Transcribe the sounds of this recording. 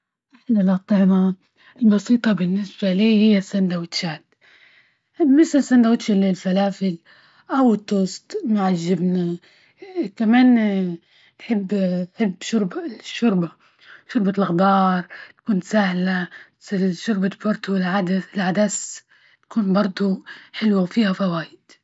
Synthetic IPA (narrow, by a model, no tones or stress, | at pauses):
ʔaħlalɑt̪ˤːɑʕna | ɪlbɑsiːt̪ˤɑbɪnːɪsbaliːhɪjːasːand̪awɪt̪ʃaːt̪ | mɪslɪsːand̪awɪt̪ʃalɪlfalaːfɪl | ʔawɪt̪ːʊst̪ˤmaʕaʒːɪbna | kamaːn | ħɪbːħɪbːʃʊɾbaʃːʊɾˤba | ʃʊɾˤbalxb̪ɑːɾˤt̪ḁkuːnsahla | ʃʊɾˤbabɑɾˤd̪ˤulʕad̪alʕad̪as | t̪ḁkuːnbɑɾˤd̪ˤuħɪlwawfiːhafawaːjɪd̪̥